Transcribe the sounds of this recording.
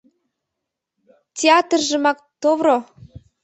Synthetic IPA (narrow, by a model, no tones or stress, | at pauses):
tʲeɑt̪rʒə̆mɑk̚t̪oβɾo